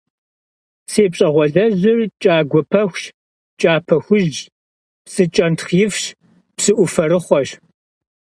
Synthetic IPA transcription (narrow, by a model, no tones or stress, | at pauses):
seːpɕʼɐʁʷɔɮɐʑɪrt͡ʃʼaːɡʷɔpʰɐxʷ | t͡ʃʼaːpʰɐxʷʊʒd͡ʒ | psɨt͡ʃʼɐntχjɪfɕ | psɨʔʷʊfɐɾɨχʷɔɕ